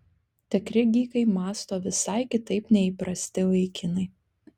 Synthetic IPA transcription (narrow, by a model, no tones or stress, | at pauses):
t̪ʲɛkɾʲɪɡʲiːkɐɪmɑːst̪oːʋʲɪsɑɪkʲɪt̪ɐɪpnʲɛipɾɐsʲt̪ʲɪʋɐɪkʲɪnɐɪ